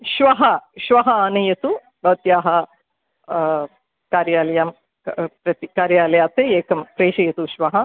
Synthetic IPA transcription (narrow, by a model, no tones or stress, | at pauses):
ʃʋɐɦɐʃʋɐɦɐaːnɐjɐt̪u | bɐt̪jaːɦɐ | kaːɾjaːlɐjaːm | pɾɐt̪ikaːɾjaːlɐjaːt̪eeːkʰɐmpɾeːʃɐjɐt̪uʃʋɐɦɐ